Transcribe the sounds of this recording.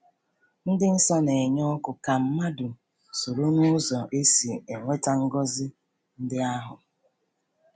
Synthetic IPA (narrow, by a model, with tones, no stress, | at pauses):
n̩˦dɪ˦n̩˦sɔ˦ne˨ɲɔ˦kʊ˨ka˨m̩˦ma˦du˨ | so˨ɾo˦nu˦zɔ˨ʔe˦si˨e˨ŋʷe˦ta˦ŋ̩˦ɡɔ˦zɪ˦ | n̩˦dɪ˦a˦ɦʊ˨